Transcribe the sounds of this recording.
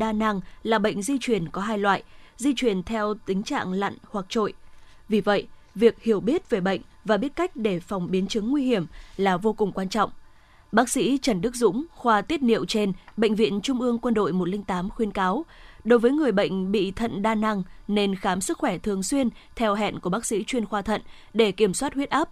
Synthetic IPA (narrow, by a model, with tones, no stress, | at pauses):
ɗaː˧na˧ŋlaː˨˩ɓə̰˧˨jŋ̟zi˧t͡ɕwi˧˩ənkɔ˨˦ɦaː˧jlwa̰ː˧˨jzi˧t͡ɕwi˨˩ənt̪ʰɛ˧wt̪ï˨˦ŋ̟t͡ɕa̰ː˧˨ŋla̰˧˨ŋhwa˨˩k̚t͡ɕo̰˧˨j | vi˨˩və̰˧˨j | vi˨˩ək̚hi˨˩əwɓi˦˥ət̚ve˨˩ɓə̰˧˨ŋ̟vaː˨˩ɓi˦˥ət̚ka˦˥jk̟̚ɗe˧˩fɔ˨˩wŋ͡mɓi˨˦ənt͡ɕɨ˨˦ŋːwi˧hi˧˩əmlaː˨˩vo˧kʊ˨˩ŋ͡mkwaː˧nt͡ɕɔ̰˧˨wŋ͡m | ɓaː˦˥k̚sḭ˧˥t͡ɕə˧˩nɗɨ˦˥k̚zʊ̰˧˥ŋ͡mxwaː˧t̪i˦˥ət̚nḭ˧˨əwt͡ɕe˧nɓə̰˧˨ŋ̟vḭ˧˨ənt͡ɕʊ˧ŋ͡mʔɨ˧əŋkwə˧nɗo̰˧˨jmo˨˩t̚lï˧ŋ̟t̪aː˨˦mxwi˧ənkaː˨˦wɗo˨˦jvəː˨˦jŋɨ˨˩əjɓə̰˧˨jŋ̟ɓḭ˧˨t̪ʰə̰˧˨nɗaː˧na˧ŋne˧nxaː˨˦msɨ˦˥k̚xwɛ˧˩t̪ʰɨ˨˩əŋswi˧ənt̪ʰɛ˧wɦɛ̰˧˨nku˧˩əɓaː˦˥k̚sḭ˧˥t͡ɕwi˧ənxwaː˧t̪ʰə̰˧˨n | ɗe˧˩ki˧˩əmswaː˦˥t̚hwət̚ʔaː˦˥p̚